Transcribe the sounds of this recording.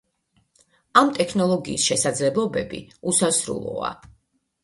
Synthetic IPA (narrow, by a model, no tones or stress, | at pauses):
amt̪ʼɛkʰnɔlˠɔɡiːsʃɛsad̪zlɛblˠɔbɛbḭusasɾṵlˠɔ̰a̰